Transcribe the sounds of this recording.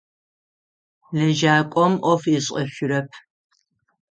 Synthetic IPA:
lɐʒaːkʷʼɔmʔɔfiɕʼɐɕʷʊɾɐpʰ

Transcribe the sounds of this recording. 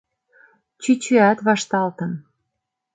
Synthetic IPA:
t͡ɕyt͡ɕyæt̪βɑʃt̪ɑlt̪ɤ̆n

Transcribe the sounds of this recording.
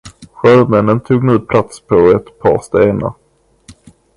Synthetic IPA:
ɧœɾvmɛnːənt̪ʰuːɡnʉ̟ːpʰlat̪spʰɔɛt̪pʰɑ̰ːɾst̪eːna̰ɾ

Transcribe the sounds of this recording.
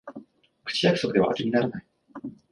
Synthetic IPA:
kɯ̟̥t͡ɕijakɯ̟̥so̞kɯ̟d̪e̞a̰ʔːɾɯɲ̟ʲinaɾanai

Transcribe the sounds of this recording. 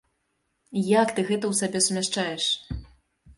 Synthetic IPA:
jakt̪ɨɣɛt̪ɐwsabʲɛsumʲaʂt͡ʂajɛʂ

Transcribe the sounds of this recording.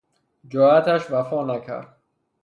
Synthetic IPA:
d͡ʒɒːæt̪ʰæʃvæfɒːnækʰæ̰ɾd̪̥̚

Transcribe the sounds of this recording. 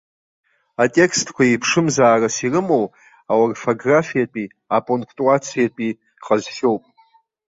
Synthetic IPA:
atʼe̞kʰstʰkʷʰaipʰʂɨmzaːrasirɨmo̞w | aworfoɡrafijapʼi | apʼoŋkʰtʼuat͡sʰijapʼi | χazʃʲo̞wpʼ

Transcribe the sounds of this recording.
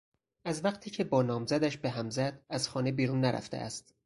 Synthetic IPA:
ʔæzvæqt̪ʰiːcʰe̞bɒːnɒːmzæd̪æʃbeɦæmzæd̪æzxɒːne̞biːɾunːæɾʔæ̰ft̪ḛʔæ̰st̪

